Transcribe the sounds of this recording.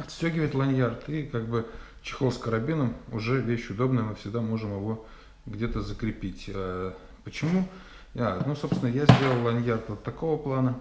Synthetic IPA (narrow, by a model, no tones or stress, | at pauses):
ɐt̪sʲtʲoɡʲɪvəɪt̪lˠɐnʲjart̪ikaɡ̚bɨ | t͡ɕɪ̥xoskəɾɐbʲinəmʊʐɛvʲeɕʊd̪o̞bnəjəmɨfsʲɪɡ̚d̪amo̞ʐɨmjɪvo̞ | ɡdʲe̞t̪əzəkɾʲɪpʲitʲə | pət͡ɕɪmu | anuso̞psʲɪnəjazʲdʲe̞lˠəlˠlˠɐnʲjart̪vot̪ːɐko̞vəplˠanə